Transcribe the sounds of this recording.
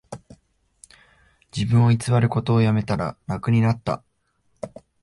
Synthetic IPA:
d͡ʑibɯ̟̃ɰ̃o̞it͡sɨβaɾɯ̟ko̞t̪o̞ːjame̞t̪aɾa̰ɾakɯ̟ɲ̟inat̪ːa̰

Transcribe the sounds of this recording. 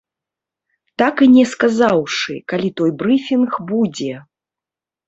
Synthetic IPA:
t̪akɨnʲɛskazawʂɨ̰kalʲit̪ɔjbɾɨfʲinxbud͡zʲɛ

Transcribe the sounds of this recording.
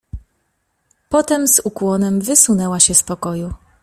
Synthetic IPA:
pɔt̪ɛmzukwɔnɛmvɘsunɛwaɕɛspɔkɔju

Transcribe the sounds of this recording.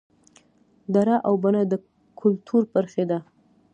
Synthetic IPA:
d̪aɾaʔawbanad̪ə | kʰʊlt̪ʰuɾpəɾxed̪a

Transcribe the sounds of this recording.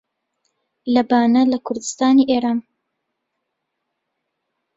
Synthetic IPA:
lɐbaːnɐlɐkʰʊɾd̪ɨst̪aːniːʔeːɾaːn

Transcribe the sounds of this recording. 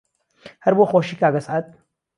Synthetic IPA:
hɐɾboxoːʃikaɡɐsʕat̪̚

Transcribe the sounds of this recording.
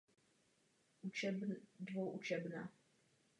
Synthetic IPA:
ʔut͡ʃɛbdvowʔut͡ʃɛbna

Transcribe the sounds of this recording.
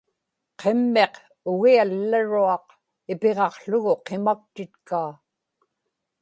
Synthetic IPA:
qʰe̞mːe̞q | ʊɣialːaɻuɑq | ɪpe̞ʁɑqɬʊɣʊqe̞mak̚t̪ɪt̪kaː

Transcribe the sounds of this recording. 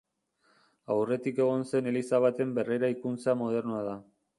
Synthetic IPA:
awre̞t̪ike̞ɣ̞o̞nse̞ne̞lisaβat̪e̞mbe̞rejɾaikunt͡samo̞ð̞e̞ɾnuaða

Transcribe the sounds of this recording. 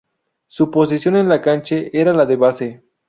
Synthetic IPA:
supo̞s̬isjo̞nenlakant͡ʃeʔeɾalaðeβase

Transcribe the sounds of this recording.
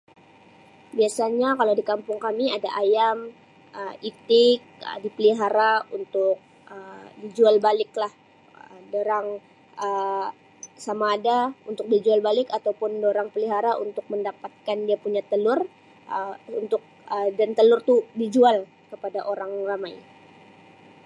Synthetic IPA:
biasaɲakalawdikampʊŋkamiadaʔajam | əit̪ɪk̚ə̰dipəliɦaɾaunt̪ʊk̚ | ədid͡ʒualbalɪklah | ədoɾaŋ | ʔə | samaːdaunt̪ʊk̚did͡ʒualbalɪkat̪awpʊndoɾaŋpəliɦaɾaʔṵnt̪ʊk̚məndapat̪̚kandiapuɲat̪əlʊr | əṵnt̪ʊk̚ədant̪əlʊrt̪udid͡ʒual | kəpadaʔoɾaŋramaj

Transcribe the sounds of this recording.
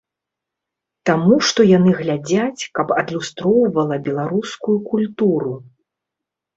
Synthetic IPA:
t̪amuʂt̪ɔjanɨɣlʲad͡zʲat͡sʲkɐpɐd̪lʲust̪ɾɔwvɐlˠɐbʲɛlˠaɾuskujukulʲt̪uɾu

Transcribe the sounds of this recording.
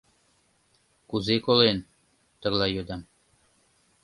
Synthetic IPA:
kuzekolen | t̪ə̆ɣlɑjød̪ɑm

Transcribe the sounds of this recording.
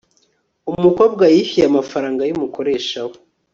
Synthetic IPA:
umuko̞ːb̚ɡajifijamafaɾaːŋɡajumuko̞ɾe̞ːʃawo

